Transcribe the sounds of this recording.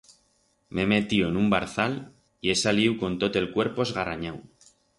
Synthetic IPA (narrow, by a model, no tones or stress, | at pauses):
meme̞t̪ioe̞numbaɾθal | ie̞saliwko̞nt̪o̞t̪e̞lkwe̞ɾpo̞ezɣaraɲaw